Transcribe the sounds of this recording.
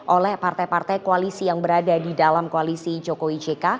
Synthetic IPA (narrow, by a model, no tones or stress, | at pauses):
ʔolɛhpart̪ajpart̪ajkoalisijaŋbəɾadadidalamkoalisid͡ʒokowid͡ʒeka